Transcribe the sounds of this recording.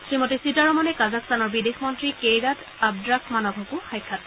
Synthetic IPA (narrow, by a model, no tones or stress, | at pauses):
sɹimɔtisitaɹɔmɔnɛkazakstanɔɹbidexmɔntɹikejɹat | ab̚dɹakʰmanɔɡʱɔkuxajkʰːat